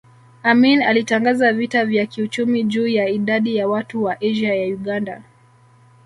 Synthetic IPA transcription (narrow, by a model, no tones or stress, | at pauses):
aminalitaŋɡazavitavjakiut͡ʃumiʄuːjaiɗaɗijawatuwaʔɛʒajajuɠanda̰